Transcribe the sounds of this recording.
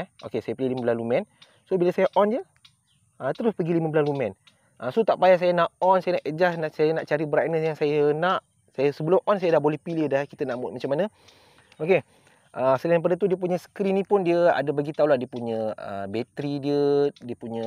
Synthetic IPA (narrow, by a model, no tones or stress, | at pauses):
ɛʔo̰kesajəpileliməbəlalumɛ̃n | sobiləsajəʔɔnd͡ʒiə | ʔat̪əɾʊspəɡiliməbəlalumɛn | ʔasot̪aʔpajas̬ajənaʔɔnsajənaʔəd͡ʒasnaʔsajənaʔt͡ʃaɾibəɾa̰jnəsjaŋsajənaʔ | sajəsəbəlʊmʔɔnsajədaʔbolɛhpiliəhdahkit̪ənaʔmʊt̪̚mat͡ʃamːanə̃ | oke | ʔəsəlaŋpadət̪̬udiəp̬uɲə̃sə̥kɾinĩpʊndiəa̰dabaɡit̪aulahdiəpuɲə̃ə̰bɛt̪ɾidiədiəpuɲə̃